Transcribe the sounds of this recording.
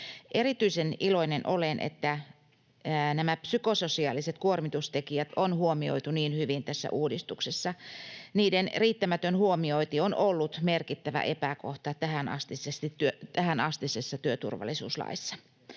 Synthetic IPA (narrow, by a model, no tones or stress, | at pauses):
ʔerit̪yiseniloinenʔolenʔḛt̪ːæ | næmæpsykososiɑːliset̪kuormit̪ust̪ekiæt̪onhuomio̰it̪uniːnhyʋint̪æsːæ̰ʔuːdist̪uksesːɑniːdenriːt̪ːæmæt̪ønhuomioit̪ionolːut̪merkit̪ːæʋæ̰ʔepækoht̪ɑt̪æhænɑ̰st̪isest̪it̪yøt̪æhænɑst̪isesːɑt̪yøt̪ṵrʋɑ̰lisṵːslɑ̰isːɑ̥